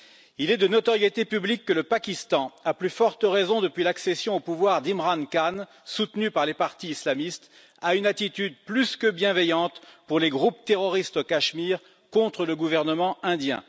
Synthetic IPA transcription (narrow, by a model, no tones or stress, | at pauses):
ilɛd̪ənɔt̪ɔʁjet̪epyblikːələpakʲist̪ɑ̃aplyfɔʁt̪əʁezɔ̃d̪əpɥilaksesjɔ̃opuvwaʁd̪imʁankan | sut̪nypaʁlepaʁt̪iislamist̪ | aynat̪it̪yd̪plyskəbjɛ̃vɛjɑ̃t̪puʁleɡʁupt̪eʁɔʁist̪okaʃmiʁ | kɔ̃t̪χələɡuvɛʁnəmɑ̃ɛ̃d̪jɛ̰̃